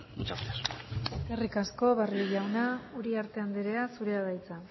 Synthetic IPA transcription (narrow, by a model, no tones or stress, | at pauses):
mut͡ʃaft̪eɾeskerikasko̞βariʝawnauɾiaɾt̪e̞and̪eɾeasuɾeaβajt͡sa